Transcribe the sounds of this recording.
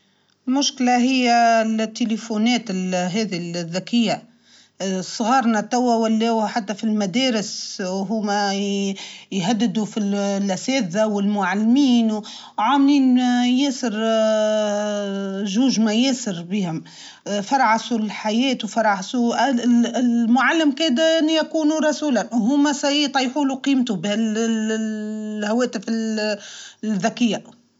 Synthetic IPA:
lmʊʃklaɦɪjːælt̪ːelefunɛːt̪ɪlɦɛːðilðːækɪjːa | sˤɣɑːɾˤnat̪æwːæwælːɛːwħat̪ːafilmæd̪ɛːɾɪsɦuːmæ | jɦæd̪ːɪd̪ufilʔæsɛːðawɪlmʊʕalːmiːnw | ʕaːmliːnjɛːsəɾ | ʒuːʒmæjɛːsəɾbiːhʊm | fɑɾˤʕasulħajɛːt̪wfɑɾˤʕʕsu | mʊʕalːɪmkeːd̪ænjækuːnuɾˤɑsuːlanɦʊːmæsæjit̪ˤɑjħuːluqiːmt̪ubhæl | hæwɛːt̪ɪfɪl | ðækɪjːa

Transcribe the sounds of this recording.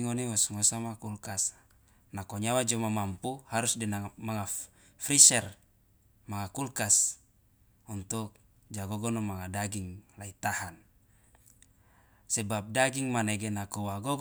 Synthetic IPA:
ŋonewɔsŋosamakulkas | nakoɲawad͡ʒɔmamampuhaɾusdinamaŋa | fɾisɛr | maŋakulkas | unt̪uk̚ | d͡ʒaɡoɡɔnomaŋadaɡiŋlait̪ahan | sebap̚daɡiŋmaneɡenakowaɡoɡ

